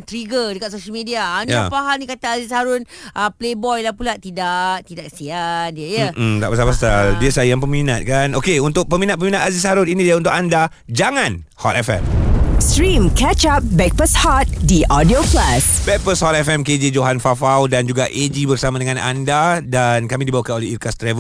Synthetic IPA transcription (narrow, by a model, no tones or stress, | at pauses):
t̪ɾiɡədəkat̪̚soʃəlmediaːnjapaɦanikat̪aːzishaɾʊn | ʔəplebɔjlapulat̪idaʔt̪idaksiandiəjəm̩d̪a̰ʔpasapastadiəsajaŋpəmĩnat̪̚kanokeunt̪ʊk̚pəminat̪̚pəminat̪azishaɾʊninĩdiaunt̪ʊkanda | d͡ʒaŋãn | hɔ̰t̪ɛfɛ̰mstɾĩmkɛt͡ʃap̚bɛk̚pəshɔt̪̚diʔɔdioklasbɛk̚pəshɔt̪ɛfɛmked͡ʒed͡ʒoɦanfafawdand͡ʒuɡaʔed͡ʒibərsamadəŋãnʔa̰ndadankamidibawakanolɛikast̪ɾɛvə